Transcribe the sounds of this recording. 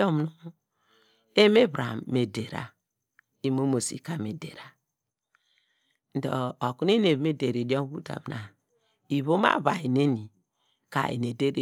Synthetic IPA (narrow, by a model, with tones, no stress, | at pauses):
o˦m˨nu˦ | e˦me˦bɾa̰˨mme˨de˨ɾa̰˨ | i˨˦mo˦mo˨sḭ˨ka˨me˨dḛ˨ɾa˨ | n̩˨˦do̰˨o˨ku˦n˦e˦ne˨βme˦de˨ɾe˨di˦o˦m˦βu˦da̰˨m˨na˨ | i˨βo˦ma̰˦˨βa˨i˨ne˦ni˨ | ka̰˨ḛ˨ne˨de˦ɾe˦